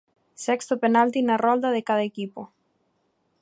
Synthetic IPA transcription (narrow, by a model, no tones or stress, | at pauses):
sekst̪openalt̪inarold̪aðekaðaekipo